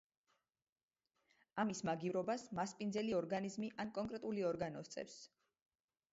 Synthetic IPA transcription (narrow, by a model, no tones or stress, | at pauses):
amismaɡivɾɔbasmaspʼind̪zɛliɔɾɡanizmiʔankʼɔŋkʼɾɛt̪ʼuliɔɾɡanɔst̪sʼɛ̰fs